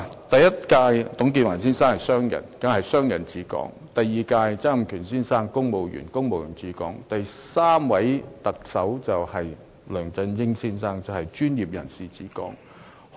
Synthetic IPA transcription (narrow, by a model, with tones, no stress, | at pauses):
t̪ɐ˨jɐ˥t̚kaː˧jt̪ʊ˨˥ŋk̬iː˧t̚waː˨˩nsiː˥nsaː˥ŋhɐ˨jsœː˥ŋjɐ̰˨˩nkɐ˨˥ŋhɐ˨jsœː˥ŋjɐ˨˩nt͡siː˨˥kɔ̰ː˨˥ŋt̪ɐ˨jːiː˨˩kaː˧jt͡sɐ˥ŋ˨mkʰyː˨˩nsiː˥nsaː˥ŋkʊ˥ŋmo˨wjy̰ː˨˩nkʊ˥ŋmo˨wjy̰ː˨˩nt͡siː˨˥kɔ̰ː˨˥ŋt̪ɐ˨jsaː˥mwɐ˨˥jt̪ɐ˨k̚sɐ˨˥wt͡sɐ˨whɐ˨j | lœː˨˩ŋt͡sɐ˧njɪ˥ŋsiː˥nsaː˥ŋt͡sɐ˨˩hɐ˨˩jt͡ʃyː˥njiː˨p̚jɐ˨˩nsiː˨t͡siː˨˥kɔ̰ː˨˥ŋ